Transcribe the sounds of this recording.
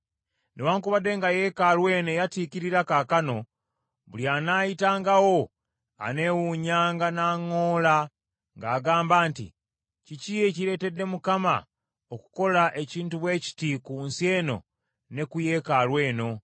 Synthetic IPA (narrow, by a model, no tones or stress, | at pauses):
newaːŋkuβade̞ŋɡaje̞ːkalwe̞ːne̞jatikiɾiɾakakano̞ | βuljanaːjitaːŋɡawo̞ | a̰ne̞wuɲaːŋɡanaːŋːoːla | ŋɡaːɡaːmbaːntḭ | ciciːje̞ciɾe̞ːte̞dːe̞mukama̰ | oku̥ko̞laʔe̞ciːntuβwe̞ːci̥tikuːnsje̞ːno̞̰ | ne̞kuje̞kalwe̞ːno̞